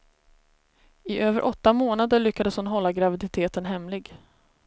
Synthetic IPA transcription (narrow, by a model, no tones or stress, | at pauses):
ɪʔøːvəɾʔɔt̪ːamoːnad̪əɭʏkːad̪əshʊnɦɔlːaɡɾavɪd̪ɪt̪ʰeːt̪ənɦɛmlɪɡ